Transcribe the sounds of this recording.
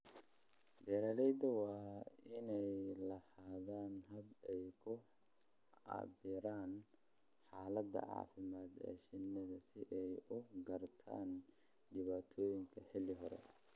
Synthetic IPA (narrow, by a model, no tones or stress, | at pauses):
d̪ɛːɾaːlɛjd̪ɐwɑːɪnɛjlɐhaːðaːnɦɐbɛjkʰʊ | ɑ̰bɪɾaːn | ħaːlɐd̪ɐ̰ʕɑ̰ːfɪmaːd̪ɛ̰ːʃɪnɐðɐsɪʔɛjʊɡɐrt̪ʰa̰ːn | ɖɪβaːt̪ʰɔːjɪŋkʰɐħɪlɪɦɔɾɛ̰